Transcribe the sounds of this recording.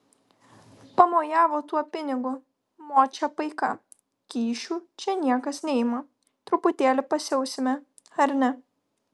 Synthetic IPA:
pɐmoːjæːʋoːt̪uɔpʲɪnʲɪɡʊ | moːt͡ʃʲɛpɐɪkɐ | kʲiːʃʲuːt͡ʃʲɛnʲiɛkɐsnʲɛɪmɐ | t̪ɾʊpʊt̪ʲeːlʲɪpɐsʲɛʊsʲɪmʲɛ | ɐɾʲnʲɛ

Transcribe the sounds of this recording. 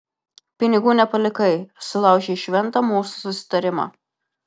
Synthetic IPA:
pʲɪnʲɪɡuːnʲɛpɐlʲɪkɐɪsʊlˠɑˑʊʒʲeɪʃʲʋʲɛnt̪ɐmuːsu̥sʊsʲɪ̥t̪ɐɾʲɪmɐ̰

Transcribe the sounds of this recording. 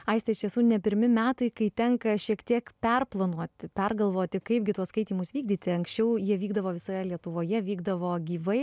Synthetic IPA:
ɐɪsʲt̪ʲɐɪʃt̪ʲiɛsuːnʲɛpʲɪɾʲmʲɪmʲæːt̪ɐɪkɐɪt̪ʲɛŋkɐʃʲiɛkt̪ʲiɛkpʲɛrplˠɐnuɔt̪ʲɪpʲɛrɡɐlˠʋoːt̪ʲɪkɐɪp̚ɡʲɪt̪uɔskɐɪt̪ʲiːmʊsʋʲiːɡ̚d̪ʲiːt̪ʲɪɐŋksʲt͡ʃʲɛʊjiɛʋʲiːɡd̪ɐʋoːʋʲɪsoːjɛlʲiɛt̪ʊʋoːjɛʋʲiːɡd̪ɐʋoːɡʲiːʋɐɪ

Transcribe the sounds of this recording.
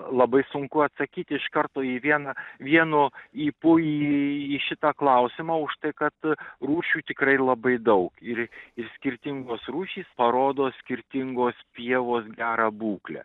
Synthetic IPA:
lˠɐbɐɪsʊŋkʊɐt̪sɐkʲiːt̪ʲɪɪʃkɐrt̪oːiʋʲiɛnɐʋʲiɛnoiːpʊiːiːʃʲɪt̪ɑklˠɐʊsʲɪmɑːʊʃt̪ɐɪkɐt̪ruːʃʲuːt̪ʲɪkrɐɪlˠɐbɐɪd̪ɐʊkɪrɪrsʲkʲɪɾʲt̪ʲɪŋɡoːsɾuːʃʲiːspɐɾoːd̪oːsʲkʲɪɾʲt̪ʲɪŋɡoːspʲiɛʋoːsɡʲæːɾɑbuːklʲɛ̰

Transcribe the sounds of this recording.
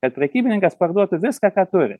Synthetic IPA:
kɐt̪̚pʲɾʲɛkʲiːbʲɪnʲɪŋkɐspɐrd̪uɔt̪ʊʋʲɪskɑːkɑːt̪ʊɾʲɪ̰

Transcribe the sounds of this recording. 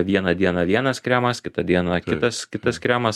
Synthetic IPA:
ʋʲiɛnɐd̪ʲiɛnɐʋʲiɛnɐskɾʲæːmɐskʲɪt̪ɐd̪ʲiɛnɐkʲɪt̪ɐskʲɪt̪ɐskɾʲæːmɐs

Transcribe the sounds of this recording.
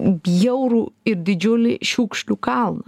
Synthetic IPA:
bʲjɛʊɾuːɪɾd̪ʲɪd͡ʒʲʊlʲɪʃʲuːkʃʲlʲukɐlˠnɐ

